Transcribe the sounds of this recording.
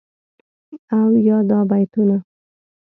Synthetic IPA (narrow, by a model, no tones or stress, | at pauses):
iawjɑd̪ɑbajt̪una